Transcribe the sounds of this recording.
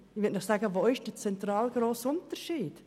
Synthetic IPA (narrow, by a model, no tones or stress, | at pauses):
ɪʋʏtnɔχsaːɡəʋoːɪʃd̥ət͡sɛnt̪ɾɑːlɡɾoːsʊntəɾʃiːd̥